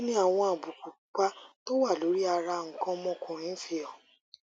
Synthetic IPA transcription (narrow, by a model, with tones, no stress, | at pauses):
nĩ˦a˦˨w̃ɔ̃˧a˨bu˨ku˨ | k͡pa˦to˦wa˦˨lo˨˦ɾi˦a˧ɾa˧ŋ̩˨kã˦mɔ̃˦kʰɔ̃˨ĩ˦fi˧jɔ˨